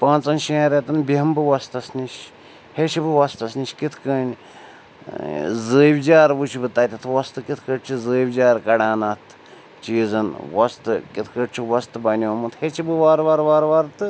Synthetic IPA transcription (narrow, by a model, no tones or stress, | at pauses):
pãːnt͡sɐnʃiaɾɐt̪ɨnbiɦɐmbɨʋɐst̪ɐsniʃ | het͡ʃʰibɨʋɐst̪ɐsniʃʲkit̪ʰkɐːnʲ | zəːʋʲd͡ʒaːɾbɨt͡ʃʰibɨt̪ɐːt̪ʲɐt̪ʰʋɐst̪ɨkit̪ʰkəʈt͡ʃʰizəːʋʲd͡ʒaːɾkɐɽaːnɐt̪ʰ | t͡ʃiːzɐnʋɐst̪ɨkit̪ʰkəʈt͡ʃʰiʋɐst̪ɨbɐnʲoːmɨt̪ʰhet͡ʃʰibɨʋaːɾʋaːɾʋaːɾʋaːɾt̪ɨ